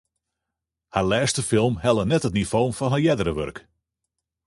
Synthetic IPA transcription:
haɹlɛːstəfɪlˠmhɛlˠənɛtɦətnifownfɔnɦajɛdəɾəʋø̰rk

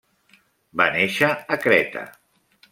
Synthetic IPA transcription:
baneʃəːkɾɛt̪ə̰

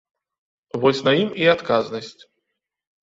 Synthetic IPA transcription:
vɔsʲnɐjimiat̪kaznɐsʲt͡sʲ

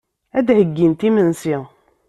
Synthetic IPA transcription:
æd̪həɡːint̪imənsi

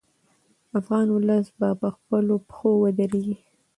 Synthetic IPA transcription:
afɣɑnwʊləsbapəxpəlopxowəd̪əɾeɡi

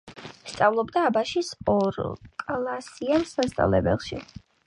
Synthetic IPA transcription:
st̪sʼavlˠɔbd̪aːbaʃisɔɾkʼlˠasiamsast̪sʼa̰lɛ̰bɛ̰lˠʃḭ

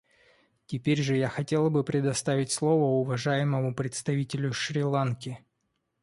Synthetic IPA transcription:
tʲɪpʲeɾʲʐɨjaxɐtʲe̞lˠbɨpɾʲɪd̪ɐst̪avʲɪtʲslˠo̞vəʊvɐʐajɪməmʊpɾʲɪt̪st̪ɐvʲitʲɪlʲʊʂɾʲɪlˠankʲɪ

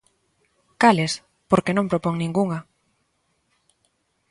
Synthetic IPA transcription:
kales | poɾkenõmpɾopoŋnĩŋɡuŋa

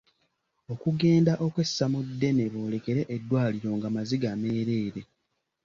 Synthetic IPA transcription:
o̞kuɡe̞ːndaʔo̞kwe̞sːamudːe̞ne̞βo̞ːle̞ke̞ɾe̞ʔedːwaːliɾo̞ːŋɡamaziɡame̞ːɾe̞ːɾe̞

